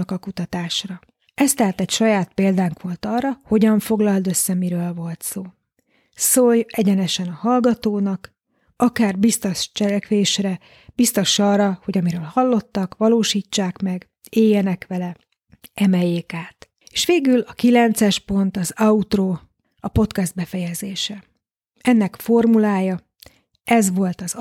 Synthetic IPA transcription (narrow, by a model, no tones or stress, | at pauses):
kɒkut̪ɒt̪aːʃrɒ | ɛst̪ɛɦaːt̪ɛcʃɒjaːt̪̚peːld̪aːŋkʋo̞lt̪ɒːrːɒho̞ɟɒɱfo̞ɡlɒld̪ø̞sːɛmiɾøːlvo̞lt̪soː | sojɛɟɛnɛʃɛnɒhɒlɡɒt̪oːnɒk | ɒkaːrbist̪oʃt͡ʃɛlɛkʋeːʃrɾɛ | b̥ist̪o̞ʃɒːrɒho̞ɟɒmiɾøːlhɒlːo̞t̪ːɒkʋɒloːʃiːt͡ʃːaːkmɛɡ | eːjːɛnɛkʋɛlɛ | ɛmɛjeːkaːt̪ | e̥ːʃʋeːɡylɒkilɛnt̪sɛʃpo̞nt̪ɒzɒut̪roː | ɒpo̞t̪kɛzd̪̚bɛfɛjɛzeːʃɛ | ɛnːɛkfo̞rmulaːjɒ | ʔɛzʋo̞lt̪ɒz